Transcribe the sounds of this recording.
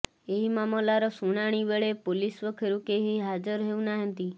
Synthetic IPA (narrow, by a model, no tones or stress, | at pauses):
eɦimamɔlaɾɔsuɽ̃aɽ̃ibeɭepolisʋɔkʰeɾukeɦiɦad͡ʒəɾɦeũnaɦənt̪i